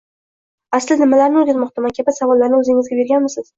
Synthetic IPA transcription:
aslɪnɪmalaɾnɪod̪azmɒqt̪ʰamankʲʰabɪsavɒlːaɾnɪɵzɪŋɪzɡʲabe̞ɾɡʲanmɪsɪz̥

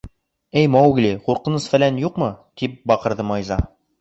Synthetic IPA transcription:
æjmɒwɡliquɾqɤ̆nɤsfælænjuqmɤt̪ip̚bɒqɤ̆ɾðɤmɑjzɑ̰

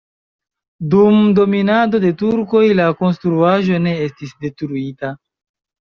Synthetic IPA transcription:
dumdo̞minado̞de̞tuɾko̞jlako̞nstɾuaʒo̞ne̞e̞stisde̞tɾuita

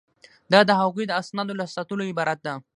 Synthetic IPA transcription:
d̪ɑd̪əɦaɣujd̪əasnɑd̪olasat̪əloɪbɑɾat̪̚d̪a

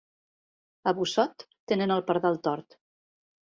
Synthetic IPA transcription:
əβusɔt̪ːenənəlˠpəɾðalˠt̪ɔɾt̪

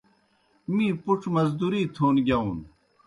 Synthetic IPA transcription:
mĩːpuʈ͡ʂʰmɐzd̪uɾiːt̪ʰoːnɡjaũːn

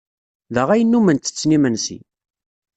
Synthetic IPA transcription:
ðəʁæjənːumənt̪ːə̥t͡sːnimənsḭ

